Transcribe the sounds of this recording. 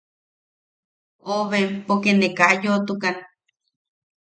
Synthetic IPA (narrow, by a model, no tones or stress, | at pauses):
oʔβempokenekaʔjot̪ukan